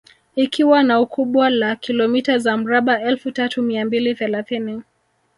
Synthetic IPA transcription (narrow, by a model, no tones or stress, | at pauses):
ikʰiwanaukʰuɓwalakʰilɔmitazam̩ɾaɓaɛlfutatumiambiliθɛlaθini